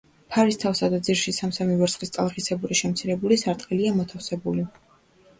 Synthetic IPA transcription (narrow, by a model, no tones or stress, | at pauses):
pʰaɾist̪ʰafsad̪ad̪ziɾʃisamsamivɛɾsχist̪sʼalˠχisɛbuɾiʃɛmt̪sʰiɾɛbulisaɾt̪ʼqʼiliamɔt̪ʰafsɛbuli